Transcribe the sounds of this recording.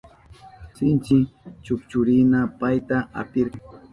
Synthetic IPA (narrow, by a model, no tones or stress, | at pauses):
sɪnt͡ʃɪt͡ʃʊkt͡ʃʊɾɪnapajt̪aa̰pɪɾ